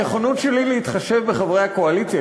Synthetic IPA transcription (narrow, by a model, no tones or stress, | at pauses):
eχonutʃelileit̪χaʃe̞vbeχavʁejhako̞alit͡sja